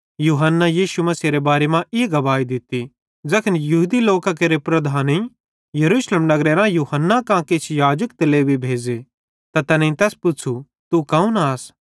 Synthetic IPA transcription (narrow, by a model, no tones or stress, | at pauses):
juːɦənːajiːʃumɐsiɾebaːɾemãʔɪɡɐbaːid̪ɪt̪i | d͡ʒɐkʰənjɐɦud̪iloːkak̬eɾepɾɐd̪ʱaːnĩ | jɐɾuːʃleːmnɐɡɾeɾãjuːɦənːakãket͡ʃʰjaːd͡ʒək̚t̪ɐleːbibʱeːd͡ʒe | t̪at̪ɐnẽĩt̪ɛːspʊt͡ʃʰu | t̪ukɐ̃ũnaːs